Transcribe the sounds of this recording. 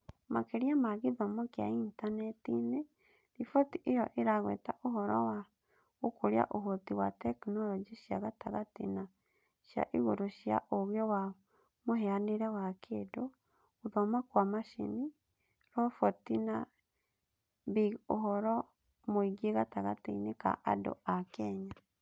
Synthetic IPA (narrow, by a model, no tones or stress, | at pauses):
makeɾjamaɣiðɔmokja̰intanɛtine | ɾifɔtiʔejɔʔeɾaɣwɛ̰ːtaʔoɦɔɾɔwa | okoɾja̰ʔoɦotiwatɛknɔɾɔd͡ʒiʃja̰ɣataɣatina | ʃja̰ʔiɣoɾoʃja̰ʔoɣjɔwa | muɦeaniɾewakʰedo | uðomakwamaʃḭni | ɾofotina | βiuɦɔɾɔ | moiɡieɣataɣatḭnika̰ʔa̰do̰akeɲa